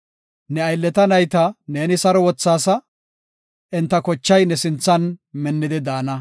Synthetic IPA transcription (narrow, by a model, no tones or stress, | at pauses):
nɛɐjlːɛt̪ɐnɐjt̪ɐne̞ːnɪsɐɾɔwɔt͡sːaːsɐ | ʔɪnt̪ːɐkɔt͡ʃːɐjnɛsɪnt͡sːɐnmɛnːɪd̪ɪd̪aːnɐ